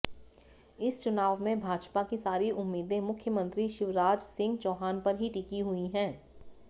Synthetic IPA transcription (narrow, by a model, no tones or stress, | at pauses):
ɪst͡ʃʊnaːʋmẽbʱaːd͡ʒpakisaːɾiʔʊmːiːd̪ẽmʊkʰjəmə̃nt̪ɾiʃɪʋɾaːd͡ʒsɪ̃ŋɡt͡ʃɔːɦaːnpɐɾɦiʈɪkiɦuiɦɛ̃ː